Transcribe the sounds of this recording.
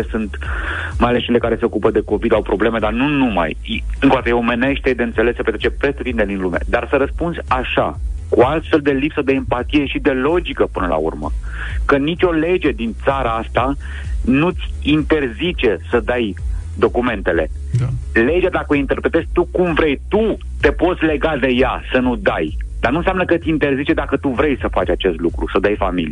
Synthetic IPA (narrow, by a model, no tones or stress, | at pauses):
esɨnt̪majale̞st͡ʃele̞kaɾe̞se̞o̞kupəd̪e̞ko̞pilawpɾo̞ble̞me̞d̪arnunuma̰jɨŋkod̪at̪jeome̞ne̞ʃt̪t̪ed̪eɨnt̪se̞lesːəpet̪ɾet͡ʃepɾe̞st̪ut̪ind̪ed̪inluma̰d̪arsəɾəspunzʲaʃa̰kualt̪fe̞ld̪e̞lipsəd̪e̞ːmpat̪ije̞ʃid̪e̞lo̞d͡ʒikəpɨnəlʔa̰ṵrmə̰kənit͡ʃʲo̞le̞d͡ʒe̞d̪int̪saɾaast̪a | nut̪sʲint̪e̞rzit͡ʃe̞səd̪ajd̪o̞kume̞nt̪e̞le̞̰ | le̞d͡ʒead̪akəoint̪e̞rpɾet̪e̞zʲt̪ukumvɾe̞jt̪u | t̪e̞po̞t̪sʲle̞ɡad̪e̞jasənud̪ajd̪arnũnsjamnəkət̪sʲint̪e̞rzit͡ʃe̞d̪akət̪uvɾe̞jsəfat͡ʃat͡ʃe̞st̪lukɾṵsəd̪ajfamilḭje